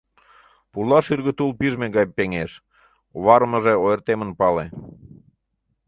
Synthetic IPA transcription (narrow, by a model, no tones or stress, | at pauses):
pulɑʃyrɣə̆t̪ulpiʒmeɣɑjpeŋeʃ | βɑɾməʒeojərt̪emənpɑle